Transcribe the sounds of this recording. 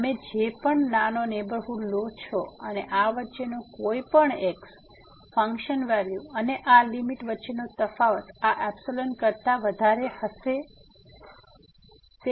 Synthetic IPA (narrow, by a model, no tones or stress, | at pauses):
əmed͡ʒepəɳnanonebəɾɦuɖlot͡ʃʰoəneʔaʋətːʃenõkoipəɳeks | fəŋkʃənʋɛljuəneʔalimiʈʋətːʃenot̪əfaʋət̪aʔɛbsolənkəɾt̪aʋəd̪ʱaɾehəʃe | t̪e